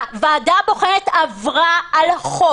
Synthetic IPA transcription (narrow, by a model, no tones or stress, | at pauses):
veadabo̞χeʁet̪avʁaalχo